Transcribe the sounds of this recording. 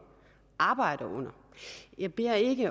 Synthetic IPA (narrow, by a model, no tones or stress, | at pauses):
ʔɑ̈ːb̥ɑ̈ɪ̰ɾ̥ɐʔɔ̽n̰ɐ | jɑ̈ɪb̥e̝ɐ̰e̝ɡ̥ə